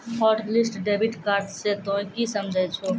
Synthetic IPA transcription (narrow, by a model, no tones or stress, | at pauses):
hɔːʈlɪsʈɖeːbiʈkaːɾʈset̪ɔ̃ːkisəmd͡ʒʱəjt͡ʃʰo